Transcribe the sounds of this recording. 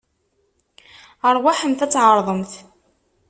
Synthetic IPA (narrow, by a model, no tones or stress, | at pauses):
əɾˤwaħəmθæt͡sːʕəɾˤðˤəmθ